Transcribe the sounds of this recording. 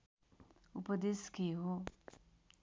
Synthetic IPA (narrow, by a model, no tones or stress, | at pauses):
upəd̪eskiɦo